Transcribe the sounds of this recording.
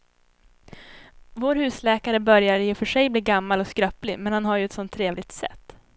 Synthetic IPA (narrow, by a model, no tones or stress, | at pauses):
voːɾhʉ̟ːslɛːkaɾəbœɾjaɾjɪfœʂɛjbliːɾɡamːalɔskɾœplɪmɛnhanɦaɾjɵɛt̪sɔnt̪ʰːɾeːvlɪɡ̚t̪sɛ̰t̪ː